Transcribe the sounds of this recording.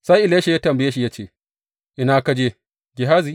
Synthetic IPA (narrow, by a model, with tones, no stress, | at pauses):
sa˦jʔɪ˨leː˦ʃe˨jaː˦tɐ˨mbɐ˨jeː˦ʃi˨ja˦t͡ʃeː˦˨ | ʔɪ˦naː˦kɐ˦d͡ʒeː˦ | ɡʲɪ˨ɦaː˦zi˦